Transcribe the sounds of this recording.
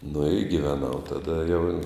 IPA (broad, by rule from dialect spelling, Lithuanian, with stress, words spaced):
nʊ ɪ ɡʲiːʋʲɛˈnɐʊ tɐˈdɐ jɛʊ